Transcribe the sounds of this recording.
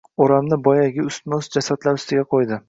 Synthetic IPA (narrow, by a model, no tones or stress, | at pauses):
oɾamnɪbɒjaɡʲɪʊst̪nʊsd͡ʒasat̪laɾʊst̪ɪɡʲaqʰojd̪ɪ